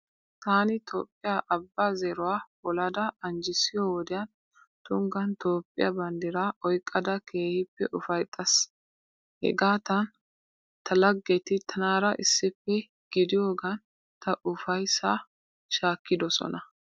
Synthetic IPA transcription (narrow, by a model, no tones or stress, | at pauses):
t̪aːnɪt̪ʰo̰ːpʼːɪjaːʔɐbːaːzeɾʊwaːbɔlɐd̪ɐɐnd͡ʒɪsɪjɔwɔd̪ɪjɐn | t̪ʊŋɡɐnt̪o̞ːpʼːɪ̰jɐ̰bɐnd̪ɪɾaʔɔjkʼːɐd̪ɐkʰe̞ːhɪpːɛʔʊfɐjt̪ʼɐs | hɛ̰ɡaːt̪ɐn | t̪ʰɐlɐɡːɛt̪ɪt̪ʰɐnaːɾɐʔɪsːɪpːɛ | ɡ̥ɪd̪ɪjoːɡɐn | t̪ɐʔʊfɐjsa | ʃaːkːɪd̪ɔsɔ̰nɐ